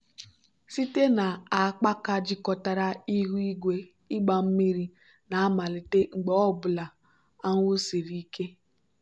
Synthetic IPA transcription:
si˦te˦na˨a˨k͡pa˦ka˦d͡ʒɪ˦kɔ˨ta˨ɾa˦i˦ɦu˦i˦ɡʷe˦ | i˦ɡ͡ba˨m̩˦mi˦ɾi˦ | na˨a˦ma˨li˨te˦ŋ͡m̩˨ɡ͡be˨˦ɔ˦bʊ˨la˨ | a˦ŋʷʊ˦si˨ɾi˦ke˦

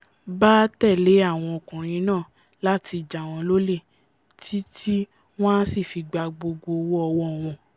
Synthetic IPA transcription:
baː˦tɛ˦˨le˨˦a˦˨w̃ɔ̃˧ɔ˨kũ˨ɾ̃ĩ˨˧˦nãː˦˨ | la˦ti˧d͡ʒa˨w̃ɔ̃˧lo˦le˦˨ | tʰi˦tʰi˦ | w̃ɔ̃˦si˦˨fi˧ɡ͡ba˧ɡ͡bo˧ɡo˧wɔ˦ɔ˧wɔ˦˨w̃ɔ̃˧

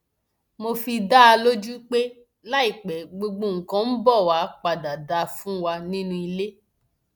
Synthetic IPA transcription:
mo˧fi˧da˦a˧lo˦d͡ʒu˦k͡pe˦ | la˦i˦˨k͡pɛ˨˦ɡ͡bo˧ɡ͡bo˧˨ŋ̩˨kã˦n̩˦bɔ˦˨wa˨˧˦k͡pa˨da˨da˨˦fũ˦wa˧nĩ˦nũ˧i˧le˦

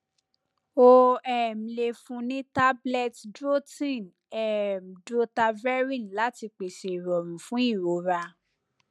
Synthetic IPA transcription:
o˧ɛ˦˨m̩˨le˧fũ˧nĩ˦ta˦blɛ˧tdɾo˦tĩ˦˨n | ɛ˨m̩˨dɾo˦ta˧vɛ˦ɾĩ˦˨la˨˦ti˧k͡pe˨se˨ɾɔ˨ɾũ˨fũ˦i˦˨ɾo˨˦ɾa˧

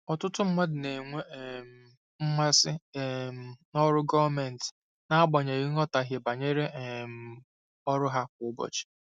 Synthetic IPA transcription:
ɔ˨tʊ˦tʊ˦m̩˦ma˦dɪ˨ne˨ŋʷe˦˨m̩˦˨ | m̩˦ma˦sɪ˦˨m̩˨nɔ˦ɾʊ˦ɡɔ˦va˦mɛ˨n̩˨tɪ̥˨ | na˦a˦bɔ˨ɲe˨i˦ŋɔ˦ta˨ɦje˨ba˨ɲe˦ɾe˦ʔm̩˦ | ɔ˦ɾʊ˦ɦa˦kʷʊ˦bɔ̰˨t͡ʃɪ̥˨

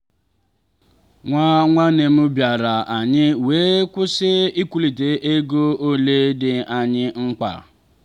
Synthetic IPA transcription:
ŋʷa˦ŋʷa˦ne˨m̩˦bja˨ɾa˨a˨ɲɪ˦weː˦kʷʊ˦sɪ˦i˦kʷu˦li˨te˦ʔe˦ɡo˦o˦le˦dɪ˦a˨ɲɪ˦ŋ͡m̩˦k͡pa̰˨

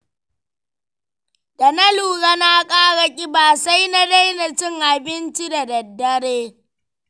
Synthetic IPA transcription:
dɐ˨nɐ˦luː˨ɽɐ˦na˦kʼaː˦ɽɐ˨kʲʼi˦baː˨sa˦jna˦da˦jnɐ˨t͡ʃɪ˦ŋʔa˨bɪ˦nt͡ʃi˦da˨dɐ˨dːɐ˦ɽeː˦

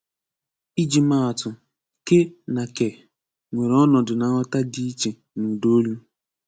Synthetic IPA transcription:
i˦d͡ʒi˨ma˦˨a˨tʊ˨ | ke˦na˨ke˨ | ŋʷe˨ɾɔ˦nɔ˨dʊ˨na˨ŋɔ˦ta˦di˦i˦t͡ʃe˨ | nu˨do˦lu˦

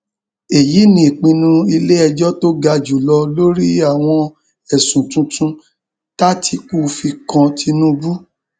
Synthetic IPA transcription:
e˨ji˨˦nĩ˦i˨k͡pĩ˧nũ˧i˧le˦ɛ˧d͡ʒɔ˦to˦ɡa˧d͡ʒu˨lɔ˧lo˦ɾi˦a˦˨w̃ɔ̃˧ | ɛ˨sũ˨tũ˧tũ˧ | ta˦tʰi˧k͡pu˦fi˧kã˧tʰi˧nũ˦˧bu˦

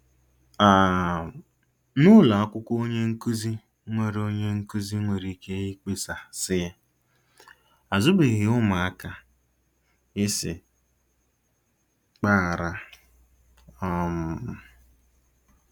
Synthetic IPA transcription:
a˨ | nʊ˦la˨a˦kʷʊ˦kʷo˦ɲe˦ŋ̩˦ku˦zi˦ | ŋʷe˨ɾo˦ɲe˦ŋ̩˦ku˦zi˦ŋʷe˨ɾi˨˦ke˦ɣi˦k͡pe˦sa˨sɪ˦ɪ˦ | a˨zʊ˦be˨ɣɪ˨ʊ˦ma˨a˦ka˨ | ɪ˦sɪ̰˨ | k͡pa˦˨ɾa˨ | ɔ˦m˨

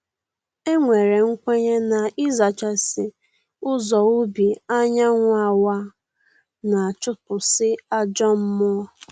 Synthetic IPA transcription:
e˦ŋʷe˨ɾe˨ŋ̩˦kʷe˦ɲe˦na˨ɪ˦za˨t͡ʃa˨sɪ˨ | ʊ˦zɔ˨ʊ˦bi˨a˦ɲa˦ŋʷʊ˦a˨wa˦ | na˨t͡ʃʊ˦pʊ˨sɪ˦a˦d͡ʒɔ˦m̩˦mʊ˦

